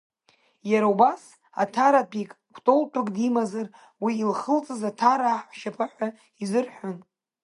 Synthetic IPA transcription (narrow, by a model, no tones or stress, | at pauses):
jaɾaubas | a̰tʰaɾapʰʼikʼ | kʷʰtʼoltʷʰʼʊkʼdimazar | wiːlχəlt͡sʼɨzatʰaɾaːħʃapʰaħʷa | izɨrħʷᶣʊn